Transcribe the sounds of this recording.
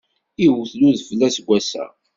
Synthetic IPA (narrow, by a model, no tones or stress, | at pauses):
iwθluðflːæsɡʷːæsæ̰